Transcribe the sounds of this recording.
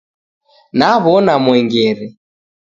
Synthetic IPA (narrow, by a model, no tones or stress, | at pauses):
naβɔnamwɛŋɡɛɾɛ